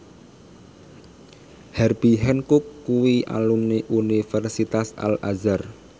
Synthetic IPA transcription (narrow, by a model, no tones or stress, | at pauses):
hɛrbiɦɛnkʊkːuwiʔa̰lumniʔunifɛrsit̪asa̰lazar